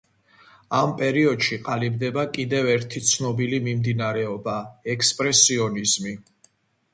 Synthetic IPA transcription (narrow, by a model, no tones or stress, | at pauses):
ampʼɛɾiɔd̪̥ʃiqʼalib̚d̪ɛbakʼid̪ɛvɛɾt̪ʰit̪sʰnɔbilimimd̪inaɾɛɔbaɛkʰspʼɾɛsiɔnizmi